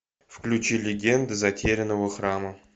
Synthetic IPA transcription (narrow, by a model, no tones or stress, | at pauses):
fklʲut͡ɕilʲɪɡʲend̪ɨzatʲʰeɾʲɪnəvəχrɑmə